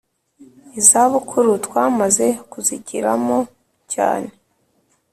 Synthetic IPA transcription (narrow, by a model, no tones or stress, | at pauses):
izaβukʰuɾutwaːmaze̞kuziɟḭɾa̰mo | ca̰ːne̞